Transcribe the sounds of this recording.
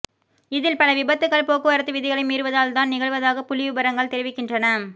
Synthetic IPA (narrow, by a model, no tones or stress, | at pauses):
ɪðɪlpɐlɐʋɪbɐt̪ːɯɣɐɭpoːkɯɐɾɐt̪ːɯʋɪðɪɣɐɭɐɪmiːɾɯʋɐðaːlt̪aːnnɪɣɐɭʋɐðaːɣɐpʊlɪʋɯbɐɾɐŋɡɐɭt̪ɛɾɪʋɪkːɪndrɐnɐ